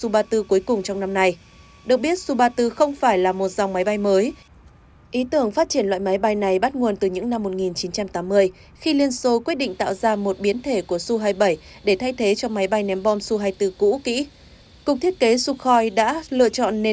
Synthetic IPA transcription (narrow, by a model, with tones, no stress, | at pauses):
su˧ɓaː˧t̪ɨ˧ku˨˦jkʊ˨˩ŋ͡mt͡ɕɔ˧wŋ͡mna˧mna˧j | ɗɨ˨˩ək̚ɓi˦˥ət̚su˧ɓaː˧t̪ɨ˧xə˧wŋ͡mfaː˧˩jlaː˨˩mo˨˩t̚za˨˩wŋ͡mma˨˦jɓa˧jməː˨˦j | ʔi˨˦t̪ɨ˧˩əŋfaː˦˥t̚t͡ɕi˧˩ənlwa̰˧˨jma˨˦jɓa˧jna˨˩jɓa˦˥t̚ŋu˨˩ənt̪ɨ˨˩ɲɨ̰˧˥ŋna˧mːo˨˩t̚ŋi˨˩nt͡ɕi˨˦nt͡ɕa˧mt̪aː˨˦mːɨ˧əj | xi˧li˧ənso˧kwi˦˥t̚ɗḭ˧˨ŋ̟t̪a̰ː˧˨wzaː˧mo˨˩t̚ɓi˨˦ənt̪ʰe˧˩ku˧˩əsu˧ɦaː˧jɓə˧˩jɗe˧˩t̪ʰa˧jt̪ʰe˨˦t͡ɕɔ˧ma˨˦jɓa˧jnɛ˨˦mɓɔ˧nsu˧ɦaː˧jt̪ɨ˧kṵ˧˥kḭ˧˥ | kʊ˨˩k͡p̚t̪ʰi˦˥ət̚ke˨˦su˧xɔ˧jɗa̰ː˧˥lɨ̰˧˨ət͡ɕɔ̰˧˨nːe˧